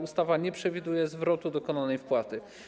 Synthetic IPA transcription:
ust̪avaɲɛpʂɛvʲid̪ujɛzvɾɔt̪ud̪ɔkɔnanɛjfpwat̪ɘ

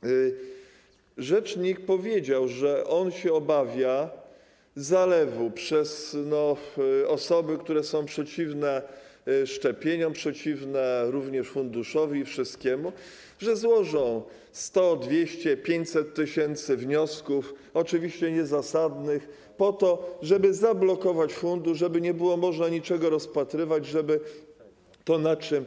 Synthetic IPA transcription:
ʐɛt͡ʂɲik̚pɔvʲjed͡ʑawʐɛʔɔnɕɛɔbavʲja | zalɛvupʂɛsnɔɔsɔbɘkt̪uɾɛsɔ̃w̃pʂɛt͡ɕivnɛ | ʂt͡ʂɛpʲjeɲɔ̃mpʂɛt͡ɕivnɛɾuvɲɛʂfund̪uʂɔvʲiːfʂɘst̪̚kʲɛmu | ʐɛzwɔʐɔ̃w̃ | st̪ɔd̪vʲjeɕt͡ɕɛpʲjeɲt͡ɕsɛt̪ːɘɕɛnt̪sɘvɲɔskuf | ɔt͡ʂɘvʲiɕt͡ɕɛɲɛzasad̪nɘx | pɔt̪ɔʐɛbɘzablɔkɔvat͡ɕfund̪uʂʐɛbɘɲɛbɘwɔmɔʐnaɲit͡ʂɛɡɔɾɔspat̪ɾɘvad͡ʑʐɛbɘ | t̪ɔnat͡ʂɘm

